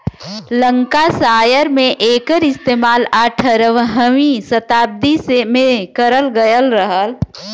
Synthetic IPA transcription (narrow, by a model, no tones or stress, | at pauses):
lə̃ŋkasaːjəɾmẽʔeːkəɾɪst̪eːmaːlaːʈʰəɾəʋɦəʋisɐt̪aːb̚d̪isemẽkəɾəlɡəjəlɾəɦəl